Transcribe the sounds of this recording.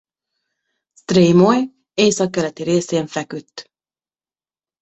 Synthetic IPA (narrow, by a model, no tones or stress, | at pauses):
st̪riːmoj | eːjsɒkːɛlɛt̪iɾeːseːɱfɛkyt̪ː